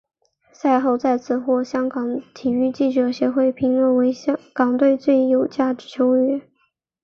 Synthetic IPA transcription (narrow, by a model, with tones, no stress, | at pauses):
sa˥˧ɪxo˥˧ʊt͡sa˥˧ɪt͡sʰɹ̩˥˩xwɔ˥˩ɕjɑ˥ŋkɑ˨˥ŋt̪ʰi˨˩y˥˧t͡ɕi˥˩ʈ͡ʂɤ˧˥ɕjɛ˧˥xwe˥˩ɪpʰi˧˥ŋlwə˥˩nwe˧˥ɪkɑ˨˩ŋt̪we˥˧ɪt͡swe˥˩ɪjo˨˩ʊt͡ɕja˥˩d̪̩˨˩t͡ɕʰjo˧˥ʊɛ˥